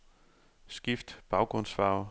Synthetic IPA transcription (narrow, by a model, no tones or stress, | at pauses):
sɡ̥ifd̥b̥ɑ̈ʊɡ̥ʁɔ̽n̰sfɑ̈ːʊ